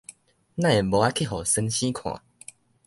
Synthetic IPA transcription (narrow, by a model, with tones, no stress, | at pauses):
nã˥˧˨e˨˩bo˨˦a˦kʰi˦˥˨ɦɔ˨˩sə˧nɕĩ˦kʰw̃ã̰˨